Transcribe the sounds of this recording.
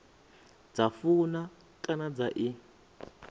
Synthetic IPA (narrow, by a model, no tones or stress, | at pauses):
d͡zafuna | kʼanad͡zaʔi